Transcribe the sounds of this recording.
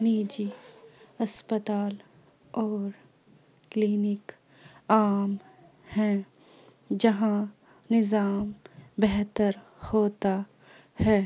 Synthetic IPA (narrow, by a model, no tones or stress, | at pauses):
niːd͡ʒi | ɐspət̪aːl | ɔːɾ | kliːnɪk | aːm | hɛ̃ | d͡ʒɐɦã | nɪzaːmbɛɦt̪əɾhoːt̪a | hɛː